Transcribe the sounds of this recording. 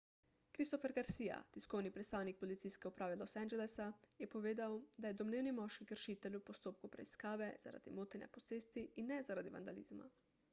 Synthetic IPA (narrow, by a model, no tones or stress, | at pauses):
kɾist̪ofɛɾɡaɾsiːja̰t̪iskoːwnipɾɛt̪st̪aːwnik̚pɔlit̪sijskɛupɾaːʋɛlosɛnd͡ʒɛlɛsajɛpɔʋeːd̪awd̪ajɛd̪ɔmneːwnimɔʃkikəɾʃiːt̪ɛlʲupɔst̪oːp̚kupɾɛ̰iskaːʋɛz̥a̰ɾa̰d̪ḭmot̪inɛ̰pɔt̪seːst̪iːnːɛzaɾad̪iʋa̰nd̪a̰lḭːzma̰